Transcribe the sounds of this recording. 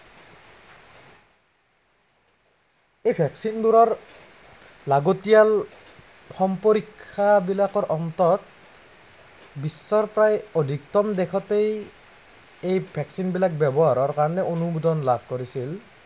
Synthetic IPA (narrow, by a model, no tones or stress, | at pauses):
ejbʱɛksinbuɾɔɹ | laɡotijal | xɔmpoɾikʰːabilakɔɹʔɔnt̪ɔt̪̚ | bisːɔɹpɹajod̪ʱiktɔmd̪ɛkʰɔtej | ejbʰʱɛksinbilak̚bɛbɔɦaɹɔɹkaɹɔnɛʔonubudɔnlab̚ʱkoɹisil